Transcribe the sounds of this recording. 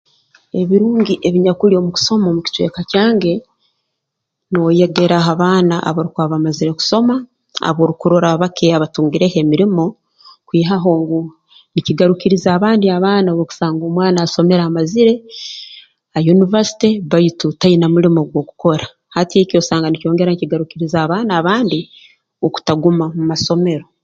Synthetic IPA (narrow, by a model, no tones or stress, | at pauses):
e̞βiɾuːŋɟiʔe̞βiɲakuɾio̞muki̥so̞momuci̥t͡ʃwe̞̰ːkacaːŋɡe̞ | nowojeɡe̞ɾaɦaβaːnaʔa̰βoɾikwaːβamaziɾe̞ku̥so̞ma | a̰βoːɾukuɾoɾaβakʰeaβatuːŋɡiɾehe̞miɾimo̞ | kwiːɦaɦo̞ːŋɡu | niciɡaɾukiɾizaːβaːndiaβaːnaβoku̥saːŋɡoːmwaːnaːso̞me̞ɾamaziɾe̞ | ajunivasi̥teβajitutainamuɾimo̞ɡwo̞ku̥ko̞ɾa | hatieco̞saːŋɡanico̞ːŋɡe̞ɾaniciɡaɾukiɾizaβaːnaːβaːndi | oku̥taɡumamumaso̞me̞ɾo